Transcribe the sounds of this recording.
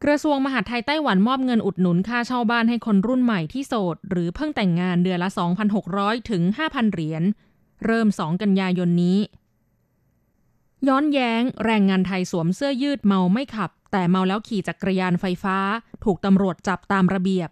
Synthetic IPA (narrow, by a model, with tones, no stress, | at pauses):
kɾa˧su˧əŋma˧ɦa˨˩t̪ʰːa˧jt̪a˥˩jwa˩˦nmɔː˥˩p̚ŋɤ˧nʔu˨˩t̪̚nu˩˦nkʰaː˥˩t͡ɕʰa˥˩wbaː˥˩nɦa˥˩jkʰo˧nɾu˥˩nma˨˩jt̪ʰiː˥˩soː˨˩t̪̚ɾɯː˩˦pʰɤ˥˩ŋt̪ɛ˨˩ŋːaː˧ndɯ˧ənla˦˥sɔː˩˦ŋpʰa˧nɦo˨˩k̚ɾɔː˦˥jt̪ʰɯ˩˦ŋɦaː˥˩pʰa˧nɾi˩˦ən | ɾɤː˥˩msɔː˩˦ŋka˧njaː˧jo˧nːiː˦˥ | jɔː˦˥njɛː˦˥ŋɾɛː˧ŋːaː˧nt̪ʰa˧jsuː˨˩˦msɯ˥˩əjɯː˥˩t̪̚ma˧wma˥˩jkʰa˨˩p̚t̪ɛː˨˩ma˧wlɛː˦˥wkʰiː˨˩t͡ɕaː˨˩kɾa˧jaː˧nfa˧jfaː˦˥t̪ʰuː˨˩k̚t̪a˧mɾu˨˩ət̪̚t͡ɕa˨˩p̚t̪aː˧mɾa˧bi˨˩əp̚